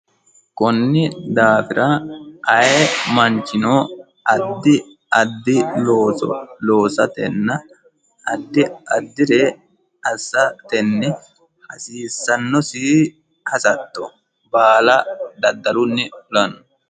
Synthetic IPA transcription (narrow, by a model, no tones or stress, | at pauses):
kɔnːɪd̪aːfɪɾɐʔɐjɛmɐnt͡ʃːɪnoː | ʔɐd̪ːɪ | ɐd̪ːɪloːsɔ̰loːsɐt̪ɛnːɐ | ɐd̪ːɪɐd̪ːɪɾe | ɐsːɐt̪ɛnːɛ | hɐsiːsːɐnːɔsi | hɐsɐt̪ːɔ | baːlɐd̪ɐd̪ːɐɾʊnːɪʊlɐnːɔ̥